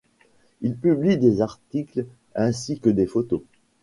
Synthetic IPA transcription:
ilpyblid̪ezaʁt̪ikl | ɛ̃sikəd̪efot̪o

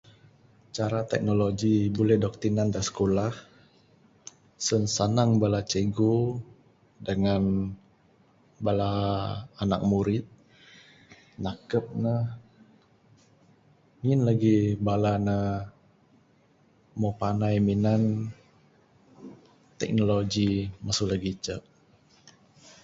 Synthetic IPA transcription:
t͡ʃaɾat̪ɛ̰k̚noloɡibulɛhdɔk̚t̪inandasə̥kolah | sənsanaŋbalat͡ʃəɡo | dəŋan | balaː | na̰k̚muɾɪt̪̚ | nakəp̚nə | ŋinlaɡibalanəh | mopanajminan | t̪ɛ̰k̚noloɡiməsulaɡit͡ʃəʔ̚

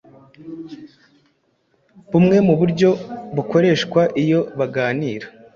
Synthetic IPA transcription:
βumŋe̞muβuɾɟo̞βukʰo̞ɾe̞ːʃkwaʔijo̞βaɡaːniːɾḁ

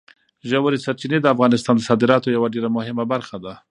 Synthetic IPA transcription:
ʒawaɾisaɾt͡ʃined̪əafɣɑnɪst̪ɑnd̪əsɑd̪ɪɾɑt̪ojawaɖeɾamʊhɪmabaɾxad̪a

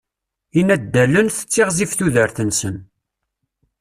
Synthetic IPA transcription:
inæd̪ːælənθə̥t͡sːɪʁzifθuðəɾθənsən

